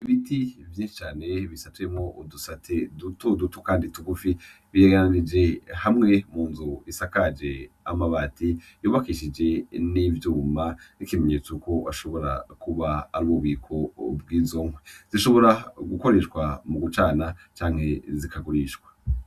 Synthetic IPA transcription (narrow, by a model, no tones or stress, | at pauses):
iβitivjiːnʃi̥t͡ʃaːne̞βisatuemŋo̞ʔudusatʰedutodutukaːndituɡufi | βieɡananid͡ʒe̞hamŋe̞muːnzuisakad͡ʒe̞ | amaβati | juːβakiʃid͡ʒe̞nivjuːmanikime̞ɲe̞ːt͡suko̞aʃo̞βo̞ɾa̰kuβaːɾuβuβiːkʰo̞b̚ɡwiːzoŋweziʃo̞βo̞ɾaɡuko̞ɾe̞ʃɡwamuɡut͡ʃaːnat͡ʃaːŋhe̞zikʰaɡuɾiːʃwḁ